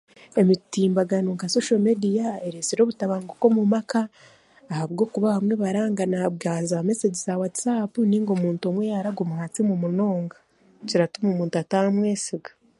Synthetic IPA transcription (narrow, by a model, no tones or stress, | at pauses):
e̞mitiːmbaɡanuːŋkasoʃomedijaeɾesiɾo̞ːβutaβaːŋɡoko̞mumakaː | haβɡo̞ːkuβaβamwe̞βaɾaːŋɡanabɡaːzameseɟisawatsapuniːŋɡomuːnto̞mwejaɾaɡomuhat͡simumuno̞ːŋɡa | ciɾatumumuːntuatamwe̞ːsiɡḁ